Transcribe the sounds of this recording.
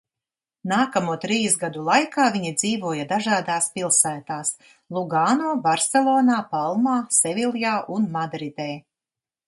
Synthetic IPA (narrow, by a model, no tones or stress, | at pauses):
naːkamuːt̪ɾiːsɡad̪ulˠajkaːvʲiɲid̪ziːvuɔjad̪aʒaːd̪aːspilˠsæːt̪aːs | lˠuɡaːnoːvaɾsɛlˠɔːnaːpalˠmaːsɛvʲilˠjaːʔunmad̪ɾid̪ɛː